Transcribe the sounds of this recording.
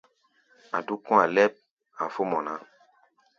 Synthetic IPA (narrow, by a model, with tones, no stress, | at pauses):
a˨du˦kɔ̃˦a˨lɛ˦p̚ | a˨fo˦mɔ̃˨na˨˦